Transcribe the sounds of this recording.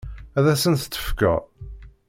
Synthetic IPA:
æðæsənθə̥t͡s̪ːə̥fkæ̰

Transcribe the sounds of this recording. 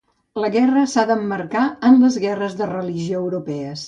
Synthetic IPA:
ləɣɛrəsaðəmːəɾkaənləzɣɛrəzðərəliʒioəwɾupɛəs

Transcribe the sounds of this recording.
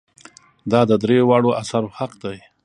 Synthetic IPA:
d̪ɑd̪əd̪ɾewɑɽoʔasaɾohaqd̪aj

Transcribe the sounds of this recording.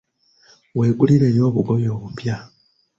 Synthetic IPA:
we̞ːɡuliɾe̞ːjo̞ːβuɡoβjo̞ːβupja

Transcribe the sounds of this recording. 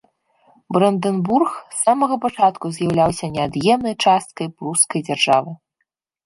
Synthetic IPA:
bɾɐnd̪ɛnburxsamɐɣɐpat͡ʂat̪kuzʲjawlʲawsʲɐnʲɛad̪jɛmnɐjt͡ʂast̪̚kɐjpruskɐjd͡zʲarʐavɨ

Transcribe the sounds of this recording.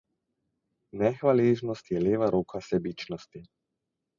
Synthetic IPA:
nɛxʋaleːʒnɔst̪jɛleːʋaɾoːkʰasɛbit͡ʃnɔst̪i

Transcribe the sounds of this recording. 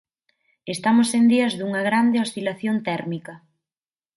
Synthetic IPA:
est̪amʊsend̪iɐzðuŋɐɣɾand̪eost̪ilaθjont̪ɛɾmikɐ

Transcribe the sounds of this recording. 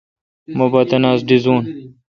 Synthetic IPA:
mobɐt̪ɐnaːzɖizuːn

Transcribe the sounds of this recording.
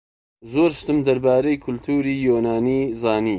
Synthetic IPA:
zoːɾʃt̪ɨmd̪ɐɾbaːɾejkʰʊlt̪ʰuːɾiːjoːnaːnizaːniː

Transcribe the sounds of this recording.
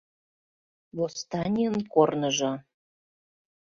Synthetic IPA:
βost̪ɑnʲiənkornə̆ʒɤ̆

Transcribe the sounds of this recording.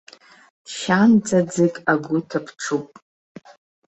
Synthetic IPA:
ʃand͡zad͡zɨkʼaɡʷʊtʰapʰʈ͡ʂʰupʼ

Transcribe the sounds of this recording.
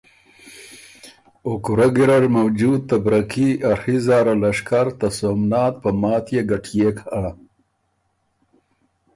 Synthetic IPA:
okuɾaɡiɾaɾmawd͡ʒud̪̚t̪abɾakiaɾhizɑːɾalaʂkaɾt̪asomnɑːt̪̚pəmɑːt̪jeɡaʈjekʰa

